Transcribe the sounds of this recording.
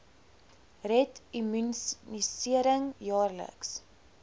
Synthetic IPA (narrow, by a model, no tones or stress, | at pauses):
rɛtimynnisiəɾəŋjɑːrlə̰ks